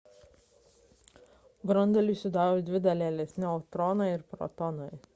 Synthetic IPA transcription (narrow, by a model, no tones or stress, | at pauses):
bɾɐnd̪ɐlʲuˑsʲʊd̪ɑːɾoːd̪ʲʋʲɪd̪ɐlʲɛɛlʲɛsʲnʲɪɔt̪ɾɔnɐɪɪɾpɾɔ̰t̪ɔnɔɪ